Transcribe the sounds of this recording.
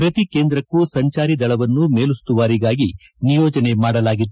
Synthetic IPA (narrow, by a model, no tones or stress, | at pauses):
pɾɐt̪ikeːnd̪ɾɐkːusɐɲt͡ʃaːɾid̪ɐɭɐʋɐnːumeːlust̪uʋaːɾiɡaːɡi | nijɔːd͡ʒɐne̞maːɽɐlaːɡid̪ːu